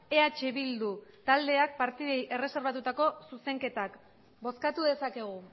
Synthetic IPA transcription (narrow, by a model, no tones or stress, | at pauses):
e̞at͡ʃe̞βild̪ut̪ald̪e̞ak̚paɾt̪iðejʔe̞re̞se̞ɾβat̪ut̪ako̞suse̞ŋke̞t̪ak | bo̞skat̪uðe̞sake̞ɣ̞u